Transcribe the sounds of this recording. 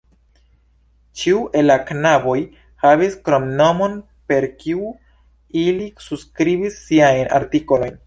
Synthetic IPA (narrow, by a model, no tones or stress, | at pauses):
t͡ʃiuʔe̞laknaboj | haviskɾomno̞mon | pe̞ɾkiu | ilisuskɾibisːiajna̰ɾtiko̞lo̞jn